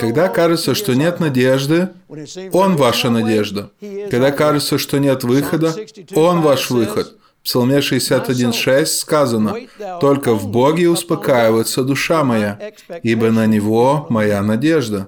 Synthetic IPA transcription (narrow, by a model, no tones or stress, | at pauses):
kɐɡd̪akaʐɨt̪səʂt̪o̞nʲe̞t̪nɐdʲe̞ʐd̪ɨ | o̞nvaʂənɐdʲe̞ʐd̪əkɐɡd̪akaʐɨt̪səʂt̪onʲe̞t̪vɨxəd̪əo̞nvaʂvɨxət̪ | fpsɐlˠmʲeʂɨɪsʲat̪ɐdʲinʂɛsʲtʲskazənət̪o̞lʲkəvboɡʲɪʊspɐkajɪvəjɪt̪səd̪ʊʂamɐja | ibənənʲɪvomɐjanɐdʲeʐd̪ə